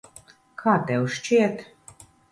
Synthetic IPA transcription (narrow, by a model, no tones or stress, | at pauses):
kʰɑt̪ɛwʃt͡ʃet̪